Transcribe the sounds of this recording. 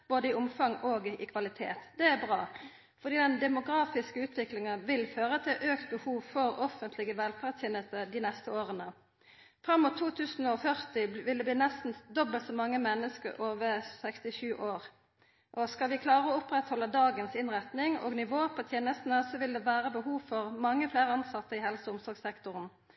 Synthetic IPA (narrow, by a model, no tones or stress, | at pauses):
b̥oːd̪əɪʊmfɑŋoːɡɪ̰kʰʋɑlɪt̪ʰḛːt̪d̪ɛæbʁɑː | fɔʁd̪iːd̪ɛnd̪ɛmʊɡʁɑːfɪskəʉːt̪ʰʋɪklɪŋənʋɪlføːʁət̪ʰɪlʔøːkt̪̚bəhuːʋfɔɾɔfənt̪lɪɡəʋɛlfæʁt̪ʰjɛnəst̪əd̪ɪnɛst̪əoːʁənə | fʁɑmːʊt̪ʰːuːt̪ʰʉːsn̩ɔfœʁt̪ɪʋɪld̪ɛbliːnɛst̪n̩d̪ɔbəlt̪sɔmɑŋːəmɛnːəskəʁʔoːʋəsɛkst̪ɪʃʉːʔoːʁ | ʔɔskɑlʋɪkʰlɑːʁəɔʊpʁɛt̪hɔlːəd̪ɑːɡənsɪnʁɛt̪nɪŋo̰ːɡnɪʋoːpʰɑt̪ʰeːnəst̪n̩əsɔʋɪld̪ɛʋæːʁəbəhuːʋfɔʁmɑŋːəfleːʁəɑnsɑt̪ːəɪhɛlsɔʊmsɔɾɡsɛkt̪ʊʁən